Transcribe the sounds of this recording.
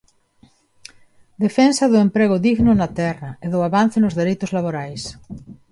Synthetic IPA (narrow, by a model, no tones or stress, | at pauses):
d̪efensɐðʊempɾeɣʊðiɣnʊnat̪ɛrɐeðʊaβan̟θenʊzðeɾejt̪ʊzlaβ̞oɾajs